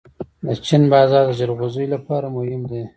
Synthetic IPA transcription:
d̪ət͡ʃinbɑːzɑɾd̪əd͡ʒaɾɣozujlapɑːɾamʊhɪmd̪e

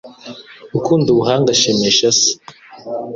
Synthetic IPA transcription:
ukuːnduβuɦaːŋɡaʃemeʃasi̥

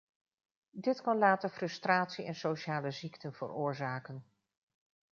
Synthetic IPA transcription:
dɪtkɑnlaːtəɹfrɵstraːtsiɛnsowʃaːləziktənv̥ə̰rʊːɹzaːkən

